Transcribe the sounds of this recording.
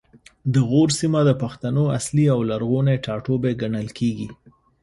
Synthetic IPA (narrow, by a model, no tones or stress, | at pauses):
d̪əɣoɾsimad̪əpaxt̪anoa̰sliawlaɾɣoneʈɑʈobeɡaɳəlkʰeɡi